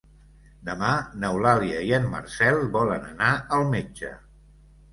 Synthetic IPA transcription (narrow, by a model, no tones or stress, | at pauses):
d̪əmanəwlaliəiənmə̰rsɛlˠbɔlənənaəlˠmed͡ʒə̰